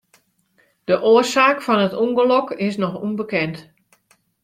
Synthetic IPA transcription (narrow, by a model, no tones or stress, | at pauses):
d̥əʔoːərsaːkfɔnətuŋɡəlɔkɪsnɔxṵnbəkɛnt